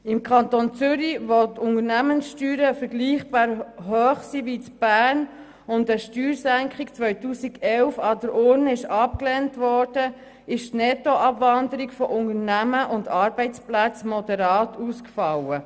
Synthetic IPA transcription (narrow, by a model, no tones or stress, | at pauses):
ɪmkʰɑntont͡sʏɾiʋotʰʊnəɾnæmənsʃtyːɾəfəɾɡliːχb̥ɑːɾɦøːχsiʋitb̥æːɾn | ʊndəʃtyːɾsæŋkχikt͡sʋœʏtuːsiɡɛlfɑdəɾʊɾnəɪʃɑpklɛːntʋɔɾd̥ə | ɪʃtnɛtːoʔɑbvɑndəɾiɡfɔʔʊnəɾnæməʔʊndɑɾbɛɪt͡splæt͡smɔdɛɾɑːtuːskfɑwə